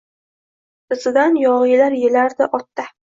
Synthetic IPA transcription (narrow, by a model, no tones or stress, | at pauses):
ɪsɪd̪anjɒʁɨjlaɾjelaɾd̪ɪʔɒt̪ːa